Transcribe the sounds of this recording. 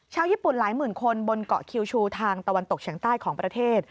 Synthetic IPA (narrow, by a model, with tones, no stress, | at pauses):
t͡ɕʰaː˧wjiː˥˩pu˨˩nlaː˩˦jmɯː˨˩nkʰo˧nbo˧nkɔ̰˨˩kʰi˧wt͡ɕʰuː˧t̪ʰaː˧ŋt̪a˧wa˧nt̪o˨˩k̚t͡ɕʰi˩˦ŋt̪aː˥˩jkʰɔː˩˦ŋpɾa˧t̪ʰeː˥˩t̪̚